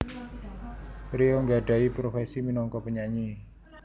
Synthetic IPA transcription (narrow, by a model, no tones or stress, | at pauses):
ɾioŋɡaɖ̥a̤ipɾofɛsiminɔŋkɔpəɲaɲi